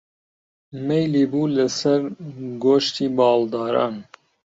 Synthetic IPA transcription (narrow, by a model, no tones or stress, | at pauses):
mejliːbuːləsɛɾɡoːʃt̪iːbɑːld̪ɑːɾɑ̰ːn